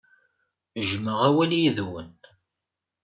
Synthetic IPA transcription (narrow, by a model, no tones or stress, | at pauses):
əʒməʁæwæljiðwə̰n